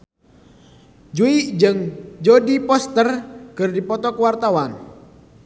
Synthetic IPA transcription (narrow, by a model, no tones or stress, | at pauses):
d͡ʒuiʔd͡ʒɨŋd͡ʒodipɔst̪ərkɨrdipɔt̪ɔkəwart̪awan